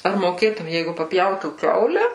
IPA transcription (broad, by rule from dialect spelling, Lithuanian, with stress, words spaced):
ɐr moːˈkʲeːtʊm ˈjɛɪɡʊ pɐpʲˈjɛʊtuː ˈkʲɛʊlʲɛ